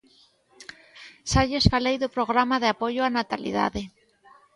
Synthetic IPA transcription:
saʎesfalejðʊpɾoɣɾamaðeapoʎoanat̪alḭða̰ðe

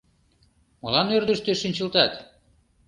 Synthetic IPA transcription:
mɤlɑnørd̪ə̆ʃt̪eʃinʲt͡ɕɤ̆lt̪ɑt̪

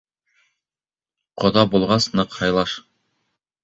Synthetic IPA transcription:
qŏðɑbulˠʁɑsnɤqhɑjlˠɑʃ

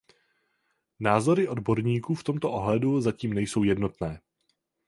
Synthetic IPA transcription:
naːzo̞ɾɪʔo̞dbo̞ɾɲiːkuːft̪o̞mt̪oʔoɦlɛduzaciːmnɛjso̞wjɛdno̞t̪nɛː

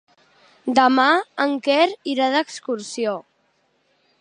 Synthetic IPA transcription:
d̪əmaəŋkɛɾiɾaðəkskuɾsio

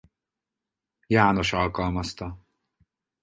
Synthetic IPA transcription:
jaːno̞ʃɒlkɒlmɒst̪ɒ

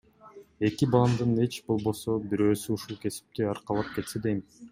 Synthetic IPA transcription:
e̞kibɑlˠɑmd̪ɯne̞t͡ʃbo̞lˠbo̞so̞biɾø̞ːsyuʃulˠkʰe̞si̥p̚t̪eɑɾqɑlˠɑp̚ke̞t̪sed̪ejm

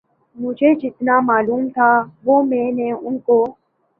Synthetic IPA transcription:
mʊd͡ʒʱeːd͡ʒɪt̪naːmaːluːmt̪ʰaːʋoːmẽːnẽːʊnkoː

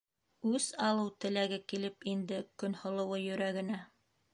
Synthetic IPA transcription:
ʉzɑlˠɤwt̪ɘ̆læɡɘkilɘpind̪ɘkɵ̆nhŏlˠɤ̆wɤjɵ̆ɾæɡɘ̆næ

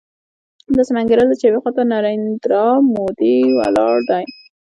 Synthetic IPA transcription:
d̪əsamaŋɡaɾəld̪ət͡ʃawiqɑt̪anɑɾɪnd̪ɾɑmod̪iwa̰lɑɽd̪aj

